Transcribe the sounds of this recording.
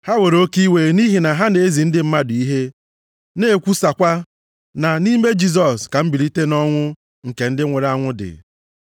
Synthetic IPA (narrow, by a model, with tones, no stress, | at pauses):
ha˦we˨ɾo˦ki˦we˨ni˦ɦi˨na˨ɦa˦ne˨e˦zi˨n̩˦dɪ˦m̩˦ma˦dʊ˨i˦ɦe˦ | ne˦˨kʷu˦sa˨kʷa˦ | na˨ni˦me˦d͡ʒi˦z̬ɔ˨ska˨m̩˦bi˨ɾi˦te˦nɔ˦ŋʷʊ˦ | ŋ̩˨ke˨n̩˦dɪ˦ŋʷe˨ɾa˦ŋʷʊ˦dɪ̰˨